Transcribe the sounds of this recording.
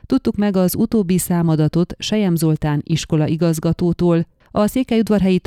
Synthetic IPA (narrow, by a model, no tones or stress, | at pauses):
t̪ut̪ːukmɛɡɒzut̪oːbːisaːmɒd̪ɒt̪o̞t̪ʃɛjɛmzo̞lt̪aːniʃko̞lɒʔiɡɒzɡɒt̪oːt̪oːl | ɒseːkɛjud̪vɒrɦɛjit̪